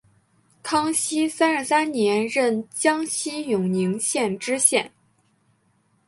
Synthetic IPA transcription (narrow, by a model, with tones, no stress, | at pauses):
kʰɑ˥ŋɕi˥sa˥n̩˧˥sa˥nnjɛ˧˥nɻə˥˩nt͡ɕjɑ˥ŋɕi˥jʊ˨˩ŋni˧˥ŋɕjɛ˥˩nʈ͡ʂɻ̩˥ɕjɛ˥˩n